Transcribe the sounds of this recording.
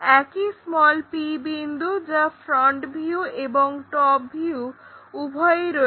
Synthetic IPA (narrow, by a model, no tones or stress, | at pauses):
ɛkismɔlpibind̪ʱud͡ʑafɾɔɳʈbʱiueboŋʈɔp̚bʱiuubʱɔeeɾo